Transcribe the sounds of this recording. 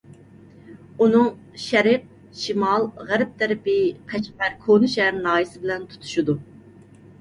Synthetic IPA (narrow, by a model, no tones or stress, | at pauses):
unɨŋ | ʃɛɾɪq̚ | ʃimɑlˠʁæɾɪp̚t̪ʰæɾɪpɪqʰæt͡ʃpæɾkʰonɨʃæɾnɑːjisɪbɪlɛnt̪ʰu̥t̪ʰu̥ʃud̪u